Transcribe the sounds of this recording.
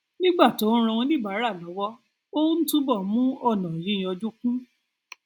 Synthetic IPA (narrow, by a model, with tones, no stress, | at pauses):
nĩ˦ɡ͡ba˦˨tõ˨˦ɾ̃ã˧ĩ˧nĩ˦˨ba˨˦ɾa˦˨lɔ˨˦wɔ˦ | o˦n̩˦tũ˦bɔ˦˨˦mũ˦ɔ˦˨nɔ̃˨jĩ˨˦˨ɔ˧d͡ʒu˦kũ˦